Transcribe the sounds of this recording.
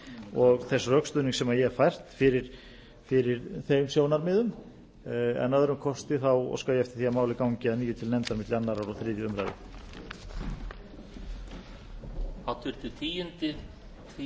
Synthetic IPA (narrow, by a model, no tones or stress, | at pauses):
ɔɣθɛsːrœkst̪ʏːniŋksɛmajɛfajr̥t̪fɪɾɪɾ̥ | fɪɾɪɾθemsjoːwnaɾmɪːðʏm | ɛ̰nːœðɾʏmkʰɔst̪ɪθawɔ̰skaːwjɛɛft̪ɪ̥θiamaːwlɪkaːwɲcɪaðniːjʏt̪ʰɪlnɛmt̪aɾmɪt̪lɪanːaɾawɾaθɾɪːðjʏʏmɾa̰jðɪ̰ | at̪ʰʏɾ̥t̪ɪt̪ʰiːjɪnt̪ɪ